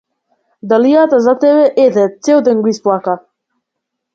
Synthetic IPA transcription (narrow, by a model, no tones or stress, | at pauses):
d̪alijat̪azat̪ɛβɛʔɛd̪ɛt̪sɛld̪ɛŋɡuisplˠaka